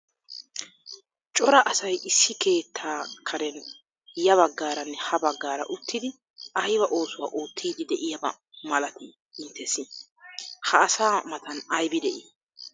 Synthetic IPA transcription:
t͡ʃʼɔɾɐʔɐsɐjʔɪsːɪkʰe̞ːt̪ʰːaːkʰɐɾɛn | jɐβɐɡːaːɾɐnːɛhɐbɐɡːaːɾɐ̰ʔʊt̪ʰːɪd̪ɪ | ɐjbɐʔo̞ːsʊwa̰ːʔuːt̪ːiːd̪ɪd̪ɛʔɪjɐbɐ̰ | mɐlɐt̪ɪ | ɪnt̪ʰːɛsɪ | hɐːsaːmɐt̪ʰɐnɐjbɪd̪ɛʔɪ

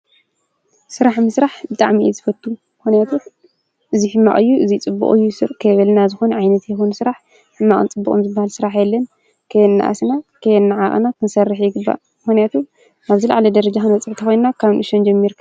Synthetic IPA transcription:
sɨɾaħmɨsɾaħbɨt̪ʼaʕmiʔizɨfɐt̪ʰːumɨxnijat̪ʰu | ʔɨzihɨmːa̰ʔʼɨjːuʔɨzit͡sʼɨbːṵχʼɨjːusɨɾkʰɐjβɐlnazɨxonʕajnɐt̪jɛxonsɨɾaħ | hɨmːaʔʼɨ̰nt͡sʼɨbːukʼo̰mzɨbːahalsɨɾaħjɛlːɐn | kʰɐjɛnːa̰ʔa̰snakʰɐjnːaʕaʔʼnakʰɨnsɐrːɨħjɪɡɨbːa̰ | mɨxunijat̪ʰu | ʔaβzila̰ʕlɐd̪ɐɾɐd͡ʒaxɨnɐt͡sʼɨʕt̪ʰɐxo̞jnnakʰaβnʔɨʃond͡ʒɐmːiɾkʰɐ

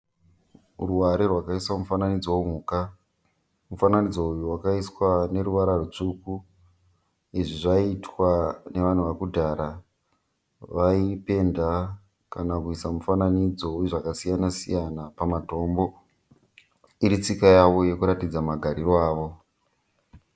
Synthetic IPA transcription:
ruwaɾerwakaiswamufananid͡zowom̤uːka | mufananid͡zoujurwakaiswane̞ɾuʋaɾarut͡ʂuku | iʐiʐaitwane̞ʋan̤uʋakudʱaːɾa | ʋaipe̞nda | kanakuisamufananid͡zo̞ujuʐakasijanasḭjanapamato̞ːmbo̞ | iɾit͡sikajaʋo̞je̞kuɾatid͡zamaɡʱaɾirwaːʋo̞

